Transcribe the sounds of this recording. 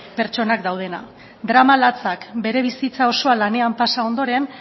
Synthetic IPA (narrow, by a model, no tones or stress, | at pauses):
pe̞ɾt͡ʃo̞nakd̪awð̞e̞na̰ | d̪ɾamalat͡sakbe̞ɾe̞β̞isit͡sao̞so̞alane̞ampasao̞nd̪o̞ɾe̞n